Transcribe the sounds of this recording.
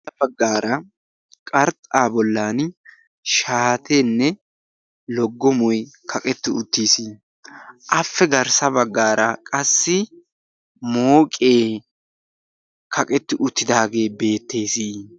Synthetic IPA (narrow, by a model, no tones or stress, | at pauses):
ɐbɐɡːaːɾɐ | kʼɐɾt̪ʼaːbɔlːaːn | ʃaːt̪ʰeːnːɛ | lɔɡːɔmɔjkʰɐkʼɛt̪ːɪʊt̪ːiːsi | ʔɐfːɛɡɐɾsɐbɐɡːaːɾɐkʼɐsːɪ | moːkʼeː | kʰɐkʼɛt̪ːɪʔʊt̪ːɪd̪aːɡe̞ːbe̞ːt̪ːe̞ːsiː